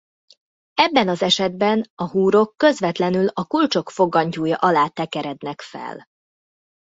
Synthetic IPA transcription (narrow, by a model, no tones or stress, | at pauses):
ɛbːɛnɒzɛʃɛd̪̚bɛnɒɦuːɾo̞kːø̞zʋɛt̪lɛnylɒkult͡ʃo̞kfo̞ɡːɒɲcuːjɒ̰ʔɒlaːt̪ɛkɛɾɛd̪nɛkfɛ̰l